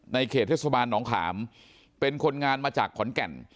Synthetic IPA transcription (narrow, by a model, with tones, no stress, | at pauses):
na˧jkʰeː˨˩t̪ʰːeː˥˩sa˧baː˧nːɔː˩˦ŋt̪ʰa̰ː˩˦m | pe˧nkʰo˧nŋaː˧nmaː˧t͡ɕaː˨˩kʰːɔ˩˦nkɛ˨˩n